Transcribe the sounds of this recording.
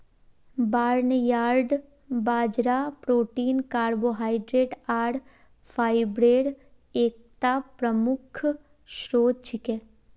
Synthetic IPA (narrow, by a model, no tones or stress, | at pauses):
baːɾnəjaːɾɖ | baːd͡ʒɾapɾoːʈiːnkaːɾboːɦaːɪɖɾeːʈaːɽ | fʰaːɪbɾeːɽ | eːk̚t̪apɾəmʊkʰ | ʃɾoːd̪̚t͡ʃɪke